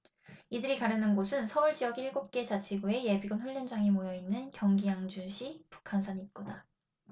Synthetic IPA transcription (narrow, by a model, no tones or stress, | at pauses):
idɯɾikaɾjʌnɯnɡosʰɯnsʰʌuɭd͡ʑijʌɡiɭɡop̚k͈e̞t͡ɕat͡ɕʰiɡoe̞je̞biɡɯnɸɯʎːʌnd͡ʑaŋimojʌinːɯnkjʌŋɡijaŋd͡ʑuɕʰipu̥kʰansʰaɲit̚k͈oda